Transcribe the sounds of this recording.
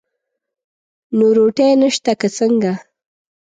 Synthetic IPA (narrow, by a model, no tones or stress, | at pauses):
noɾoʈejnəʃt̪akət͡səŋɡa